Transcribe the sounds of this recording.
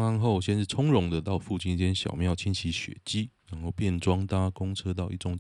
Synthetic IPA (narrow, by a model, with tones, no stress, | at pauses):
a˥nxo˥˨ʊɕjɛ˥˧nʂ̩˥˨˩t͡sʰʊ˥ŋɻʊ˧˥ŋd̪ə˨t̪ɑ˥˧ʊfu˥˧t͡ɕi˥˧ni˥˩t͡ɕjɛ˥nɕjɑ̰˨˩ʊmjɑ˥˨ʊt͡ɕʰi˥nt͡ɕʰi˨˥ɕɥɛ̰˨˩t͡ɕi˥ɻa˨˦nxo˥˧ʊpjɛ˥˨nʈ͡ʂwɑ˥ŋt̪a˥kʊ˥ŋt͡sʰɤ˥t̪ɑ˥˧ʊḭ˥˩ʈ͡ʂʊ˥ŋ